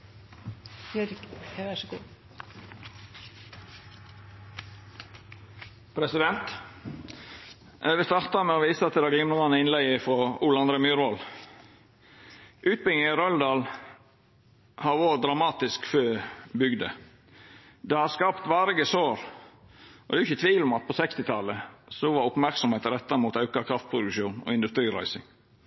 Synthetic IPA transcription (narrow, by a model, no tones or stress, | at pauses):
æɡuː | pʰɾɛsɪd̪ɛnt̪ | ʔæʋəst̪ɑɾt̪ɑmɛoːʋiːsəɑt̪̚ɛd̪ɑːɡ̪iːmnuːɑnɪnlɛɪəfɔuːlɑnd̪ɾəmʉːɾʋol | ʔʉːt̪̚bɪɡɪŋɾœld̪ɑːl | hɑɾʋoːd̪ɾɑmɑːt̪ɪskføːbʏɡd̪ə̰ | d̪ɛhɑskɑpt̪ʋɑːɾɪɡəsoːɾ | ɔd̪ɛːjʊʏçət̪ʰʋiːlɔmɑt̪̚pʰɔsɛkst̪ɪt̪ʰɑləsɔʋɑɾʊpmæɾksɔmheːt̪əɾɛt̪ːɑɾəmuːt̪ɑʉkɑkʰɾɑft̪̚pʰɾʊd̪ʉkʃuːnɔ̰ɪnd̪ʉst̪ɾiːɾæ̰ɪsɪ̰ŋ